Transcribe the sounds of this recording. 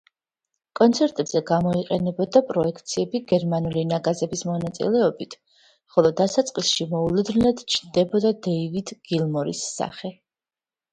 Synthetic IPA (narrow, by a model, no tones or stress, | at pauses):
kʼɔnt̪sʰɛɾt̪ʼɛbz̥ɛɡamɔiqʼɛnɛbɔd̪apʼɾɔɛkʰt̪sʰiɛbiɡɛɾmanulinaɡazɛbismɔnat̪sʼḭlɛɔbit̪ʰ | χɔlˠɔd̪asat̪sʼqʼisʃimɔulud̪nnlad̪̥t͡ʃʰnd̪ɛbɔd̪ad̪ɛivid̪ɡ̥ilˠmɔɾḭsːa̰χɛ